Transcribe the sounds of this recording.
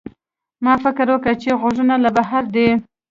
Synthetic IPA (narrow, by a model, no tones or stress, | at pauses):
mɑfɪkɾwəkət͡ʃeɣoʒənalabaɦaɾd̪e